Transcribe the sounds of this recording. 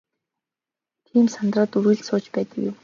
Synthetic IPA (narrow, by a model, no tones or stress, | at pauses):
t̪ʰiːmsant̪raːt̪uɾĭːɮsʊːt͡ɕpæːt̪ə̆kjʊm